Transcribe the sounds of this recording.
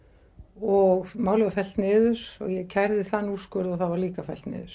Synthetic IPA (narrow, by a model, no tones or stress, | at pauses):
ɔɣmaːwlʏvafɛl̥t̪nɪːðʏɾ̥ɔ̰ɣjɛɣcʰajɾðɪθanːuskœɾðɔθavaɾliːkafɛlt̪nɪ̰ːðʏɾ̥